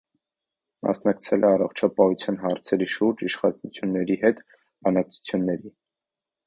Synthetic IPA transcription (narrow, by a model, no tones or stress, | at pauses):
mɑ̰snɑkt͡sʰɛlʔɛɑrɔχt͡ʃʰɑpɑhut͡sʰjɑnɦɑɾt͡sʰɛɾiʃuɾd͡ʒiʃχɑnut͡sʰjunːɛɾiɦɛt̪ | b̥ɑnɑk̚t͡sʰu̥t͡sʰjunːɛɾi